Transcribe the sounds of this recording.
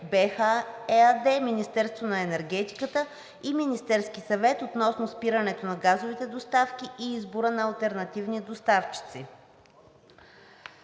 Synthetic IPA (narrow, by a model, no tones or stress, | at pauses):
bɛxaɛad̪ɛminist̪ɛɾst̪vonɐɛnɛɾɡɛt̪i̥kət̪ə | iminist̪ɛɾskisɐvɛt̪ot̪nɔsnospiɾənɛt̪onɐɡazovit̪ɛd̪ost̪afkiʔiizbʊɾənɐːlˠt̪ɛɾnɐt̪ivnid̪ost̪aft͡ʃi̥t̪si